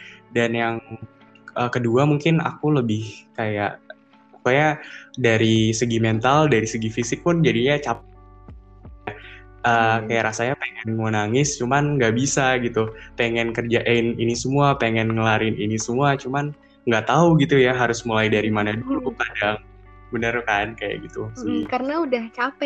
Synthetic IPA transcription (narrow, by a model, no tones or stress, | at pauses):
danjaŋ | əːkəduamuŋkɪna̰kuləbɪhkajaʔ | upajadaɾisəɡimɛnt̪aldaɾisəɡifisɪk̚pʊnd͡ʒadijat͡ʃap̚ | ja | ʔəːkajaʔɾasaɲapeŋɛnmonaŋɪst͡ʃumanŋɡaʔbisaɡit̪upeŋɛnkərd͡ʒaʔeɪninisəmuapeŋɛnŋəlaɾɪninisəmuat͡ʃuman | ŋɡaʔt̪auɡit̪ujaɦaɾʊsmulaidaɾimanaduɾupadaŋ | bənərkankaja̰ʔɡit̪usəɡikarnaudaht͡ʃapɛ